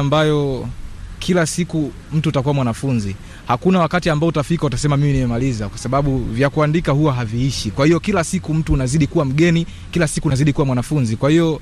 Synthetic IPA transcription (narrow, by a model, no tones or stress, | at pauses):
mbajɔ | kʰilasiku | m̩tutakuwamwanafunzi | hakunawakatiambaɔutafikautasɛmamiminimɛmalizakwasaɓaɓuvjakuandikahuwaɦaviiʃikwahijɔkilasikum̩tuːnaziɗikuwam̩ɠɛni | kilasikunaziɗikuwamwanafunzikwahijɔ